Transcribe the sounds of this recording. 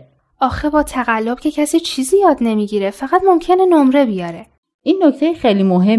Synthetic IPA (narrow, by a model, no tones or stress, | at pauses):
ʔɒːxebɒːt̪ʰæɣælːob̥cʰe̞cʰæsiːt͡ʃʰiːziːjɒːd̪ne̞miːɟiːɾe̞fæɣæt̪mo̞mcʰe̞ne̞nomɾe̞bijɒːɾe̞ | ʔiːnːoct̪ʰejexejlimoɦe